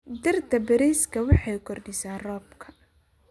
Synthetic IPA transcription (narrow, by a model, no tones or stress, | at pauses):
d̪ɪrd̪ʰɐbɐɾɛːskʰɐwɑħɑjkʰɔrɖɪsaːrɔːbkʰɐ̥